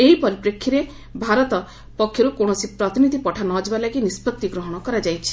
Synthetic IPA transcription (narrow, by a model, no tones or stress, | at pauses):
eɦipɔɾipɾekʰːiɾe | bʱaɾɔt̪ɔ | pɔkʰːjoɾukoɽ̃ɔsipɾɔt̪inid̪ʱipɔʈʰanɔd͡ʒebalaɡinispɔt̪ːiɡɾɔɦɔɽ̃ɔkɔɾad͡ʒajt͡ʃʰi̥